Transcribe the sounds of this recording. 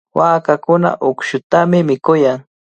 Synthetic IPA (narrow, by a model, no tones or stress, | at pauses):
waːkakʊna̰ʔokʃʊt̪amɪmɪkʊjaŋ